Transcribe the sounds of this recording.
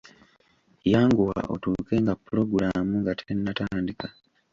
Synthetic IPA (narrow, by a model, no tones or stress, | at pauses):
jaːŋɡuwa̰ʔo̰tuːke̞ŋɡapːulo̞ɡuɾamuŋɡatʰenːataːndika